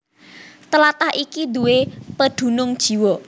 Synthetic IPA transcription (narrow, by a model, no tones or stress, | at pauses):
t̪əlat̪ahikid̪uwepəd̪̥ṳnʊŋd̥ʒ̥i̤wɔ